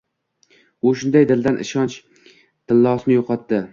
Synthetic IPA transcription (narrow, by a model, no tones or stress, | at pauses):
ʊʃʊnd̪ajd̪ɪld̪anʔɪ̰ʃɒnt͡ʃ | t̪ʰɪlːɒsnɪjoqʰɒt̪ːɪ